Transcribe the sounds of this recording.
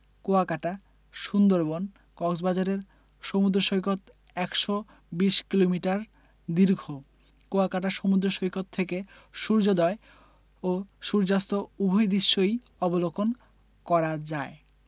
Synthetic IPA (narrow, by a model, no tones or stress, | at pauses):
koakaʈa | ʃund̪oɾbon | kɔksbad͡ʑaɾeɾ | ʃomud̪ɾoʃojkot̪ | ɛkʃo | biʃkilomiʈaɾ | d̪iɾɡʱo | koakaʈ̬aʃomud̪ɾoʃojkot̪ʰːeke | ʃuɾd͡ʑod̪ɔe | oʃuɾd͡ʑast̪oubʱojd̪iʃːoj | ɔbolokon | kɔɾad͡ʑae